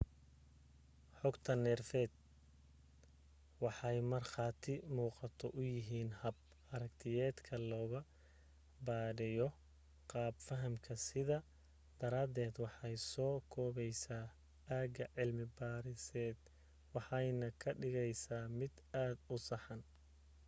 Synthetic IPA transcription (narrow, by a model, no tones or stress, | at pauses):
ħɔɡt̪ʰɐnɛrfɛːd̪̚ | wɑħɑjmɐrχɑːt̪ʰɪmuːqɑt̪ʰɔʔʊjɪɦiːnhɐb̚ | ɐɾɐkt̪ʰɪjɛːd̪kʰɐlɔːɣɐ | baːɾɪjɔ | qɑːbfɐɦɐmkʰɐsɪðɐ | d̪̥ɐɾaːd̪ɛːd̪wɑħɑjsɔːkʰɔːβɛjsaː | aːɡɐʕɪlmɪbaːɾɪsɛːd̪̥ | wɑħɑjnɐkʰɐɖɪɣɛjsaːmɪd̪ | aːd̪ʊsɑħɑn